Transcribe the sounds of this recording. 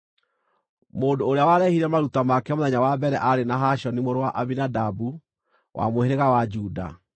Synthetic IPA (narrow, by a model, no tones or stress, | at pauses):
moːndoːɾeawaɾɛhiɾɛmaɾutamakɛmoðɛɲawabɛɾɛʔaɾenaɦaʃɔnimoɾowaʔaβinadabu | wʔa̰moheɾeɣawad͡ʒuda̰